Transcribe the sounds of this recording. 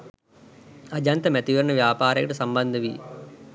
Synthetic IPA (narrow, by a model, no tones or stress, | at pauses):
ɐd͡ʒɐnt̪ɐmɛt̪iʋɐɾɳɐʋjaːpaːɾɐjɐʈusɐmbɐnd̪ʱɐʋi